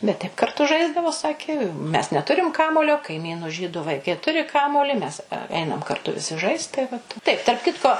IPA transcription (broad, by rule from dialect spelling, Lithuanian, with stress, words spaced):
bʲɛt tɐɪp kɐrˈtʊ ˈʒɐɪzdɐʋoː ˈsɑːkʲeː mʲɛs nʲɛˈtʊrʲɪm ˈkɑːmuɔlʲoː kɐɪˈmʲiːnʊ ˈʒʲiːdʊ ʋɐɪˈkɐɪ ˈtʊrʲɪ ˈkɑːmuɔlʲɪ ˈmʲɛs ˈɛɪnɐm kɐrˈtʊ ʋʲɪˈsʲɪ ˈʒɐɪst tɐɪ ˈʋɐt tɐɪp tɐrp ˈkʲɪtkoː